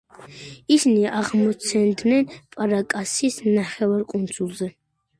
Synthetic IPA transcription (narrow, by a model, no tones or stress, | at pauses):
isiniaʁmɔt̪sʰɛnd̪nɛnpʼaɾakʼasisnaχɛvaɾkʼund̪zʼulˠzɛ